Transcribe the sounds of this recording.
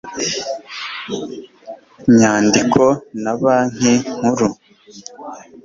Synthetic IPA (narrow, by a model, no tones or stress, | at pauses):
ɲaːndikʰonaβaːŋ̥eŋ̥uɾu